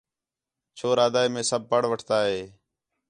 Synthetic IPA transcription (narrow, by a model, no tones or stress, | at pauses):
t͡ʃʰoːɾaːd̪aːiːmẽːsəb̚pəɽʋəʈʰt̪aːɦeː